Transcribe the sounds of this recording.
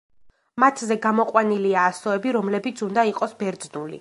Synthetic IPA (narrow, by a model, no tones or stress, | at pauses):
mat̪ʰzɛɡamɔqʼwaniliaːsɔɛbiɾɔmlɛbit̪sʰund̪aiqʼɔsbɛɾd̪znulḭ